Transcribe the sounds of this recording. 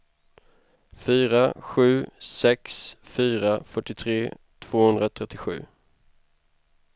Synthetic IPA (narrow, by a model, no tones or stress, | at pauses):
fyːɾaɧʉ̟ːsɛksfyːɾafœʈːɪt̪ʰɾeː | t̪ʰv̥oːhɵnd̪ɾat̪ʰɾɛt̪ːɪɧʉ̟̰ː